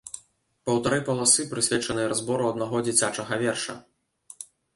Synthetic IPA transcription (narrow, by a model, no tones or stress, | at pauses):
pɐwt̪aɾɨpɐlˠasɨpɾɨsʲvʲɛt͡ʂɐnɨjɐɾazbɔɾuɐd̪naɣɔd͡zʲit͡sʲat͡ʂɐɣɐvʲɛrʂɐ̰